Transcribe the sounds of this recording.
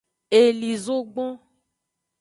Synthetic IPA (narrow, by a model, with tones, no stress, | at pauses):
e˨li˨zo˦ɡ͡bɔ̃˦